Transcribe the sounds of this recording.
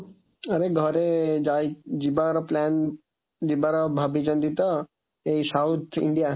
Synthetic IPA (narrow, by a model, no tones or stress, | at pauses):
ɐɾeɡʱəɾed͡ʒaid͡ʑibaɾplɛːn | d͡ʒibaɾbʱabʱid͡ʒə̃nd̪it̪ɐ | eisaut̪ʰɪ̰̃ɳɖija